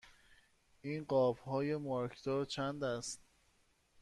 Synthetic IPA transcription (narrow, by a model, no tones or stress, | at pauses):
ʔiːnɢɒːbhɒːjemɒːɾkʰd̪̥ɔːɾt͡ʃʰænd̪æst̪̚